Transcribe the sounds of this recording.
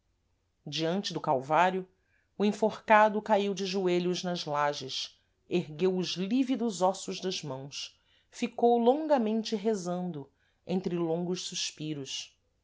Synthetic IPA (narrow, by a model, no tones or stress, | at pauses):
d͡ʒiɐ̃nt͡ʃɪd̪ʊkawvaɾjʊː | ĩfoχkad̪ʊkaiwd͡ʒɪʒueʎʊznɐzlaʒɪʃ | eɦɡewʊʒlivid̪ʊzɔsʊʒd̪ɐʒmɐ̃w̃s | fikowlõŋɡɐmẽnt͡ʃɪɦezɐ̃nd̪ʊ | ẽnt̪ɾɪlõŋɡʊʃsuʃpiɾʊʃ